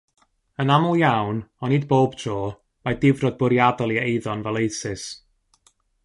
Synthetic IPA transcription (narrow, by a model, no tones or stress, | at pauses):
ənamʊlˠjawnɔnid̚boːbtʰroː | madɪvrɔd̚bʊɾjadalˠiejðɔnvɛlˠejsɪs